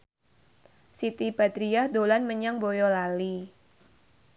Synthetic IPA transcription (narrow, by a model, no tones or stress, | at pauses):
sit̪ibad̪ɾiahd̪olanməɲaŋbojɔlali